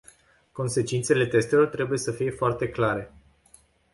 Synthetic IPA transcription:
ko̞nse̞t͡ʃint̪se̞le̞t̪e̞st̪e̞lo̞rt̪ɾe̞buje̞səfije̞foart̪e̞klaɾe̞

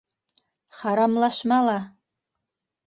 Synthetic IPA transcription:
χaɾamlaʃmala

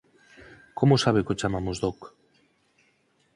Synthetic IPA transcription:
komosaβekot͡ʃamamuzðok

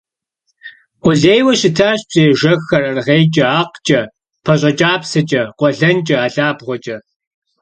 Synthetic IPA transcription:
ʊɮeːjwɐʃɕɪtʰaːɕpeːʒɐxːɐrɐrʁejt͡ʃʼɐaːqt͡ʃʼɐ | pʰɐɕʼɐt͡ʃʼaːpsɐt͡ʃʼɐqʷʼɔɮɐnt͡ʃʼɐaːɬaːbʁʷɔt͡ʃʼɐ

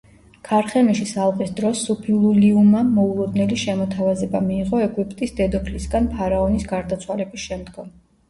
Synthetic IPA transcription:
kʰaɾχɛmiʃisalˠqʼisd̪ɾɔsːupʰilˠuliumamɔulˠud̪nɛliʃɛmɔt̪ʰavazɛbamiːʁɔɛɡʼwipʼt̪ʼisd̪ɛd̪ɔpʰlisɡanpʰaɾaɔnisɡaɾd̪at̪sʰwalɛbisʃɛmd̪ɡɔm

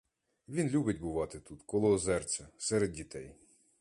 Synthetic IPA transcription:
ʋʲinlʲubɪtʲbʊʋɑt̪ɪt̪ut̪kɔlˠɔzɛrt͡sʲɐsɛɾed̪̚ʲdʲit̪ɛj

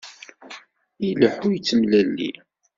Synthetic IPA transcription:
iləħujt͡sːəmlælːḭ

